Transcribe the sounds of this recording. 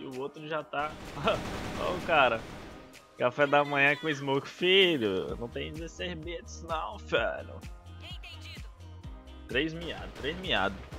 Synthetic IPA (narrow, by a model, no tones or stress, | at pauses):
ɪʊot̪ɾʊʒat̪a | o̰ʊkaɾɐ | kafɛd̪ɐmɐ̃ɲ̃ɐ̃kõez̬mokfiʎʊnɐ̃w̃t̪ẽj̃zɛsebeat̪ɪsinɐãw̃fɛ̰lʊ̰ej̃t̪ẽi | t̪ɾejzmia̰d̪ʊt̪ɾejzmia̰d̪ʊs